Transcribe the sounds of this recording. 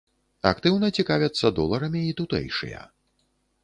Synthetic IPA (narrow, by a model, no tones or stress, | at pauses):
ɐkt̪ɨwnɐt͡sʲikavʲɐt̪sːɐd̪ɔlˠɐɾɐmʲiːt̪ut̪ɛ̰jʂɨ̰jɐ̰